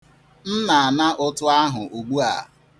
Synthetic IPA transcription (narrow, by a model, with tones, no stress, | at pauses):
n̩˦na˨a˨na˦ʔʊ˦tʊ˦a˦ɦʊ˨ʔo˨ɡ͡bu˦a̰˨